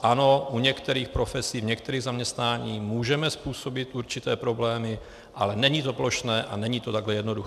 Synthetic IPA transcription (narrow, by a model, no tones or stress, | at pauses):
ʔano̞ʔuɲɛkt̪ɛɾiːxpɾo̞fɛsiːvɲɛkt̪ɛɾiːɣzamɲɛst̪naːɲiːmuːʒɛmɛspuːso̞bɪt̪ʔuɾt͡ʃɪt̪ɛːpɾo̞blɛːmɪ | ʔalɛnɛɲiːt̪o̞plo̞ʃnɛːʔanɛɲiːt̪ot̪aɡlɛjɛdnodux